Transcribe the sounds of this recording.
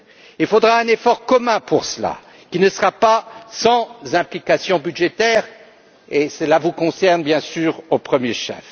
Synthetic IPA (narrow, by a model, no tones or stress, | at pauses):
ilfod̪ʁaɛ̃nefɔʁkɔmɛ̃puʁsəla̰ | kʲinəsəʁapasɑ̃zɛ̃plikasjɔ̃byd̪ʒet̪ɛːʁ | esəlavukɔ̃sɛʁnbjɛ̃syːʁopχəmjeʃɛ̰f